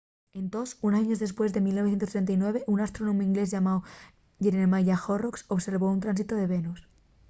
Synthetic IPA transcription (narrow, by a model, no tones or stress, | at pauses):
e̞nt̪o̞sunaɲozðe̞spwe̞zðe̞milnoθjenost̪ɾe̞nt̪̬ajnwe̞β̞e̞ʔunast̪ɾo̞nõmoiŋɡle̞zʝamao | ʝeɾenemaʝaxoroksoβse̞ɾβo̞unt̪ɾans̬it̪oðe̞βe̞nus